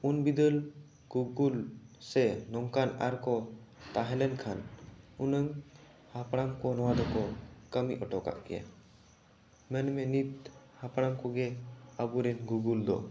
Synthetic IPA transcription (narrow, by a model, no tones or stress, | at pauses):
unbid̪əl | ɡ̥uɡulsɛnɔŋkana̰ɾkɔt̪aɦɛlɛnkʰanunəŋ | hapɽamkɔnɔwad̪ɔkɔkəmiʔɔʈɔka̰ʔkɛja̰ | mɛnmɛnit̪̚ | hapaɽamkɔɡɛabuɾɛnɡuɡuld̪ɔ̰